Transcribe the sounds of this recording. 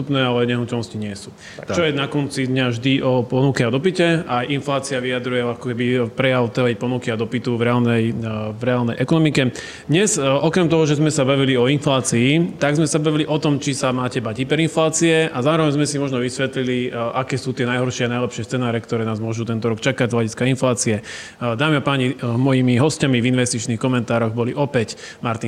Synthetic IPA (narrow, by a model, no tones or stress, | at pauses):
t̪upnɛːalɛɲɛɦnucɛlnɔsciɲɪɛsu | t͡ʃɔjɛnakɔnt͡sid̪ɲavʒd̪iʔɔpɔnukɛad̪ɔpicɛajʔinflaːt͡siaʋiad̪ɾujɛɔakɔkɛbipɾɛjaʊt̪ɛjpɔnukiad̪ɔpit̪uvɾɛaːlnɛjvɾɛaːlnɛjʔɛkɔnɔmikɛ | d̪ɲɛzʔɔkɾɛmt̪ɔɦɔʒɛzmɛsabaʋiliɔinflaːt͡siːt̪aɡzmɛsabaʋiliʔɔt̪ɔmt͡ʃisamaːcɛbaɟipɛɾinflaːt͡siɛʔazaːɾɔʋɛɲzmɛsimɔʒnɔʋisʋɛt̪liliʔakɛːsuːt̪ɪɛnajɦɔɾʃɪɛanajlɛpʃɪɛst͡sɛnaːɾɛkt̪ɔɾɛːnaːzmʊɔʒuːt̪ɛnt̪ɔɾɔkt͡ʃakaɟzɦlaɟiskainflaːt͡siɛ | d̪aːmiapaːɲimɔjimiɦɔscamivinʋɛst̪it͡ʃniːxkɔmɛnt̪aːɾɔɣbɔliʔɔpɛcmaɾt̪i